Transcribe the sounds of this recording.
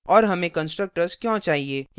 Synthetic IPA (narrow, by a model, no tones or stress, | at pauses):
ɔːɾɦɐmẽkə̃nsʈɾək̚ʈəɾskjõt͡ʃaːɦieːj